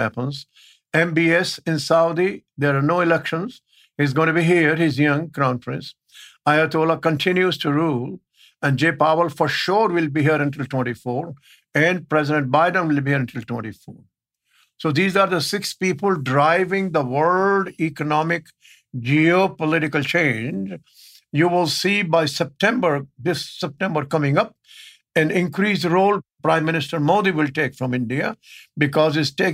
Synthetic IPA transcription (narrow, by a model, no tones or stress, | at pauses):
hæ̰pə̃nz | ẽmbiɛsɪ̃nsaʊd̪id̪eɾaɾnoːɪlɛkʃə̃nz | hizɡõɪ̃nʈbiɦiəɾhɪzjʌ̃ŋkɔ̃ʊ̃nfɾə̃ns | aɪət̪oːlakə̃nʈʰɪ̃njuzʈuɾuːl | ɛ̃nɖd͡ʒeːpaʋəlfɔɾʃɔːɾʋɪlbiɦiəɾə̃nʈɪlʈwɛ̃nʈifɔːɾ | ɛ̃nɖ̚pɾɛzɪɖə̃ɳʈ̚baɪɖə̃nʋɪlbihiɾə̃nʈɪlʈwɛ̃nʈifo̰ːɾ | soːd̪iːzaːɾd̪əsɪkspiːpəlɖɾaɪʋɪ̃ŋd̪əʋəllɖikənɔmɪk | d͡ʒiopəlɪʈɪkəlt͡ʃẽːnd͡ʒ | juːʋɪlsiːbaɪsɛp̚ʈɛ̃mbəɾd̪ɪsːɛp̚ʈɛ̃mbəɾkʌ̃mɪ̃ŋʌp̚ | ɛ̃nɪ̃nkɾiːsɾoːlpɾãɪ̃mːɪ̃nɪsʈəɾmoːd̪iʋɪlʈeːkfɾɔ̃mɪ̃ɳɖiabɪkɔːzɪzʈeː